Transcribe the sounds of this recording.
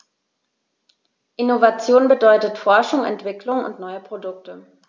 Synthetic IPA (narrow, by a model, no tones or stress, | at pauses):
ʔɪnovat͡sjoːnbədɔʏtətfɔɐʃʊŋɛ̰ntv̥ɪklʊŋʊ̰ntnɔʏəpʁ̥odʊk̚tə